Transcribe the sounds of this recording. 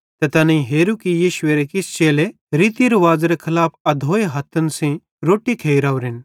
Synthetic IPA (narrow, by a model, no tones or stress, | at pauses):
t̪et̪ɐnɐĩɦeːɾukijiːʃweːɾekɪst͡ʃeːle | ɾit̪iɾʋaːd͡zɾekʰɐlaːpʰɐd̪ʱoːeɦɐt̪ʰːɐnsẽ | ɾoːʈit̪ʰeːjɾaʋɾɪn